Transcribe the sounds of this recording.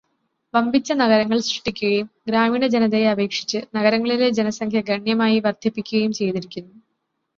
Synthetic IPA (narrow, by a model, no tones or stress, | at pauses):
ʋɐmbʱit͡ɕːɐnɐɣɐɾɐŋːɐɭsriʈːikʲːuɣɐjumɡɾaːmiːnɐd͡ʑenɐðejɐbe̞ːkʂi̥t͡ɕːɨnɐɣɐɾɐŋːɐɭiled͡ʑenɐsɐŋkʰjɐɡɐɳjɐmaːjiʋɐrd̪ʱjɐpːikʲːuɣɐjumt͡ɕe̞jt̪iɾikʲːunːu